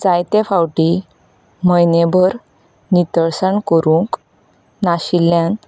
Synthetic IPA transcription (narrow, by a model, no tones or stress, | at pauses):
d͡zajt̪ẽfawʈi | məjnebʱəɾ | nit̪əɭsəɳkəɾũŋk | naɕilːjan